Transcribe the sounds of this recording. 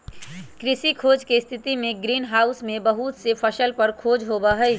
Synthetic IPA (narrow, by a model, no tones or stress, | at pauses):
kɾɪsikʰoːd͡ʒkest̪ʰɪt̪imẽɡɾiːnɦaːʊsmẽbəɦut̪sepʰəʃəlpəɾkʰoːd͡ʒɦobaɦəj